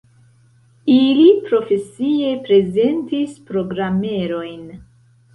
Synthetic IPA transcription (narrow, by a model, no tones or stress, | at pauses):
ilipɾo̞fe̞sie̞pɾe̞ze̞ntispɾo̞ɡɾame̞ɾo̞jn